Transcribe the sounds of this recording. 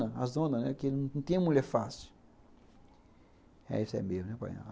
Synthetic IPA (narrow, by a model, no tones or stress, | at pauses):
ɐazd̪õnɐnɛkenɐ̃t̪ẽɐ̃muʎɛɾfasi̥ | ɛ̰isɛ̰mejnɛpa̰jɐ̰̃